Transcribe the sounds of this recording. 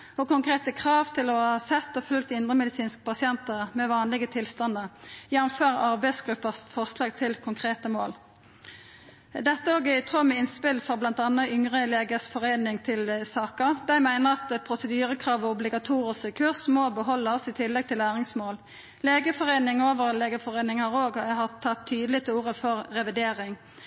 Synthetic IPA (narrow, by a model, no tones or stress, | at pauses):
ɔkʊŋkʁeːt̪əkʰʁɑːʋt̪ʰɪlɔhɑsɛt̪ːɔfʉlk̚t̪ɪnd̪ʁəmɛd̪ɪsiːnskə̥pɑsɪɛnt̪əʁmɛʋɑːnlɪɡət̪ʰɪlst̪ɑnd̪əjænʊmføːʁɑʁbæɪsɡʁʉpːəsfɔʁslɑːɡ̚t̪ʰɪlkʰʊŋkʰʁeːt̪əmoːl | d̪ɛt̪ːəoːɡæɪt̪ʰʁomɛɪnspɪlfɔʁblɑnt̪ɑnəʔʏŋʁəleːɡəsfɔʁeːnɪŋt̪ʰɪlsɑːkəʁd̪æɪmæɪnəʁɑt̪pʰʁʊsəd̪yːʁəkʰʁɑːʋɔʊblɪɡɑt̪ʰuːʁɪskəkʰʉʁsmoːbəɦɔlːəsɪt̪ʰɪlːɛɡ̚t̪ʰɪlæːʁɪŋsmoːl | leːɡəfɔʁeːnɪŋoːʋəʁleːɡəfɔʁeːnɪŋhɑːʁoːɡɦɑt̪ʰːɑt̪ʰːyːd̪əlɪt̪ʰɪuːʁəfɔʁʁɛʋɪd̪eːʁɪŋ